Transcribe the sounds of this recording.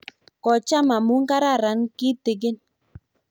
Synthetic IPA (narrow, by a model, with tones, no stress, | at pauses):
kɔ˨t͡ʃa˦ma˨mu˦ŋ˦ɡa˦ɾa˦˨ɾa˨˦nki˦tɪ˨ɡ̬ɪ˦n